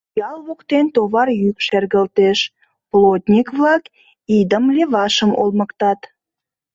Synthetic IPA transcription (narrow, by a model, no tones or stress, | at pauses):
jɑlβokt̪ent̪oβɑrjykʃerɣəlt̪eʃ | plot̪ʲnʲikβlɑk | id̪əmleβɑʃəmo̰lmə̆kt̪ɑt̪